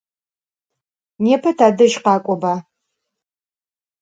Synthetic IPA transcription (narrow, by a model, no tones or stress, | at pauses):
neːpʰɐtʰaːdɨʒqɑːkʷʼɔbaː